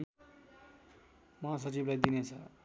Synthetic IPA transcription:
mʌɦas̬ʌt͡siblajd̪inet͡sʰʌ

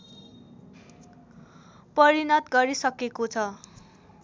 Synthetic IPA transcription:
pʌɾinʌt̪ɡʌɾisʌkekot͡sʰʌ

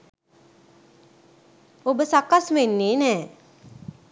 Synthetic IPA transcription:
obəsakːasmenːenɛ

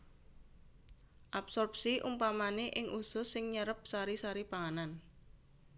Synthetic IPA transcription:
ʔapsɔrp̚siʔumpamaneʔɪŋʔusʊsːɪŋɲəɾəp̚saɾisaɾib̥aŋanan

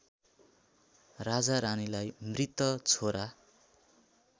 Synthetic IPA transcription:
rad͡zaɾanilajmrit̪ʌt͡sʰoɾa

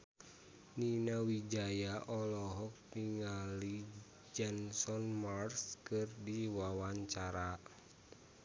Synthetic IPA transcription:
ninawid͡ʒajaʔɔlɔɦɔk̚tiŋali | d͡ʒɛnsɔnmarskɨrdiwawaɲt͡ʃaɾa

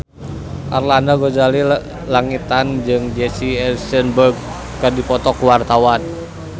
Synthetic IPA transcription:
ʔa̰rlanaɡɔd͡ʒali | laŋit̪and͡ʒɨŋd͡ʒɛsiɛlsənbərɡ | kadipɔt̪ɔkuwart̪awan

